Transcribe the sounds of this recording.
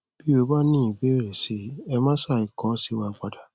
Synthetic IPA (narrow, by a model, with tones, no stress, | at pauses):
b̥i˦o˧˦ba˦nĩ˦˨i˨be˨˦˨ɾe˨se˨˦ɛ˧mãː˦sa˦˨i˨kɔ̃˨˦si˦wa˧ɡ͡ba˨da˨